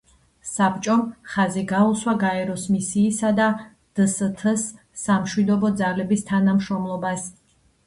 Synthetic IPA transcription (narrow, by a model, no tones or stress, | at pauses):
sapt͡ʃʼɔmχaziɡauswaɡaɛɾɔsmisiːsad̪a | d̪̥sət̪ʰəsː | amʃwid̪ɔbɔd̪zalɛbist̪ʰanamʃɾɔmlˠɔbas